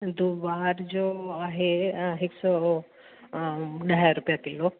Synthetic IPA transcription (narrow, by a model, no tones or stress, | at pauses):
d̪ubaɾd͡ʒoaɦeɦeksɔ | ɖəjaɾupjat̪elo